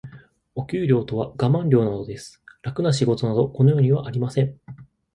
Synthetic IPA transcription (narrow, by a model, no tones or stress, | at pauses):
o̞kʲɨːɾʲo̞ːt̪o̞β̞aɡamãnɾʲo̞ːnad̪o̞d̪e̞sɨ̥ɾakɯ̟naɕiɡo̞t̪onad̪o̞ko̞nojo̞ːɲ̟iβaʔaɾʲimasẽ̞ɴ